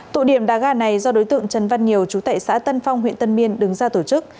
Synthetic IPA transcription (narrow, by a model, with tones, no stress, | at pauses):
t̪ṵ˧˨ɗi˧˩əmɗaː˨˩ɣaː˧˩na˨˩jzɔ˧ɗo˨˦jt̪ɨ̰˧˨əŋt͡ɕə˨˩nva˧nɲi˨˩əwt͡ɕu˨˦t̪a̰ː˧˨jsa̰ː˧˥t̪ə˧nfa˧wŋ͡mɦwḭ˧˨ənt̪ə˧nmi˧ənɗɨ˨˦ŋzaː˧t̪o˧˩t͡ɕɨ˦˥k̚